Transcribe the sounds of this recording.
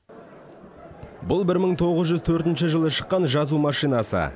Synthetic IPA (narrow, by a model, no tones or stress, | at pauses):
bʊlˠbɪɾməɴt̪ʰo̞ʁəzʒʏzt̪ʰɵɾt̪ɪnʃɪʒəlˠəʃəqːɑnʒɑzumɑʃijnɑsə̰